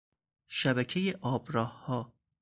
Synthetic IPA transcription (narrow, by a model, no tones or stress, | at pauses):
ʃæbæcʰejeʔɒːbɾɒːhhɒː